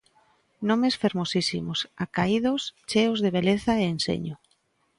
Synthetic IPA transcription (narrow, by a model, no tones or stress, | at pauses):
nomesfeɾmosisimosakaiðost͡ʃeozðeβeleθaeensḛɲo